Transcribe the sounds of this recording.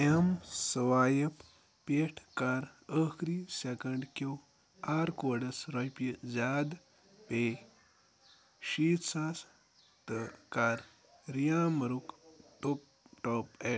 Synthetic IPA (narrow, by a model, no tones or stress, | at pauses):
emsɐwaːjɐp | peʈʰkaːɾəkɾisekɐɳɖko | aːɾkoːɖɐsɾɐpizʲaːd̪ | peː | ʃiːt̪saːs | t̪ɨkaːɾ | ɾijaːmɐɾukʈop | ʈoːpe